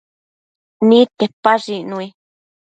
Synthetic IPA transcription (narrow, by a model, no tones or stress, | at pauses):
nĩt̪epːaʐinũi